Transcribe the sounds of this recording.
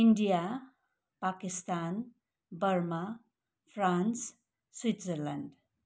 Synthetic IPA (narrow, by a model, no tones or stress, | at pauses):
iɳɖija | pakist̪an | bʌrma | pʰrans | swit̪zʌɾlanɖ